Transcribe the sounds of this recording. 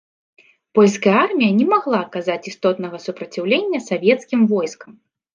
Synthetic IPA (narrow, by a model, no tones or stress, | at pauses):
pɔlʲskɐjɐarmʲijɐnʲɛmaɣlˠaɐkazat͡sʲist̪ɔt̪nɐɣɐsupɾɐt͡sʲiwlʲenʲːɐsavʲɛt̪skʲimvɔjskɐm